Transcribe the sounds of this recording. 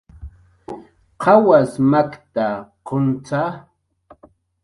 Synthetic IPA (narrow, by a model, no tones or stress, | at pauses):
qʰɑwasmakt̪aqont͡sa